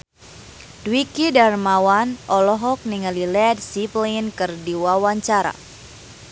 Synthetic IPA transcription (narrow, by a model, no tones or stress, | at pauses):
dwikidarmawanʔɔlɔɦɔk̚niŋalilɛdsiplinkɨrdiwawaɲt͡ʃaɾa̰